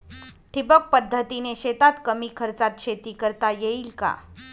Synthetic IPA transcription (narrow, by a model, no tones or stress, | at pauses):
ʈʰibək̚pəd̪ʱːət̪ineɕet̪at̪kəmikʰəɾt͡sat̪̚ɕʰet̪iːkəɾt̪ajeilka̰